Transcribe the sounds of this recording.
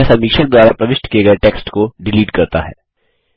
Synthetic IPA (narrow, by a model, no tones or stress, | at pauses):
ɛsɐmiːkʃək̚d̪waːɾapɾɐʋɪʃʈkieɡəeʈeːksʈkoɖɪliːʈkɐɾt̪a̰ɦɛ̰ː